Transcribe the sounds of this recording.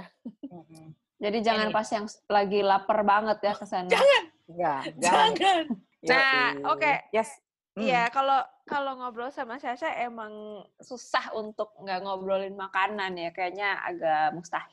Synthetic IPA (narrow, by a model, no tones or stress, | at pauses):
d͡ʒadid͡ʒaŋanpasijaŋlaɡilapərbaŋət̪̚jakəsanaŋan | jad͡ʒaŋan | naokej | ijakalokaloŋobɾosamasiasaʔemaŋsusahunt̪ʊk̚ŋɡaŋobɾolɪnmakananjakajaɲaa̰ɡaʔmust̪ahɪ